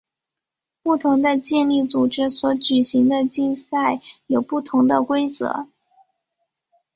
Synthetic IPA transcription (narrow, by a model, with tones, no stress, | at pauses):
pu˥˩t̪ʰʊ˧˥ŋd̪ə˧t͡ɕjɛ˥˧nli˥˩t͡su˨˩ʈ͡ʂɻ̩˥swɔ˧˥t͡ɕy˨˩ɕi˧˥ŋd̪ə˧t͡ɕi˥˧nsa˥˩ɪjo˨˩ʊpu˥˩t̪ʰʊ˧˥ŋd̪ə˧kwe˥ɪt͡sɤ̰˧˥